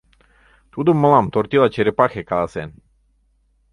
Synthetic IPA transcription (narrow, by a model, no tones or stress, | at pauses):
t̪ud̪uməlamt̪oɾt̪ilˠat͡ʃeɾepaxekad̪asɛn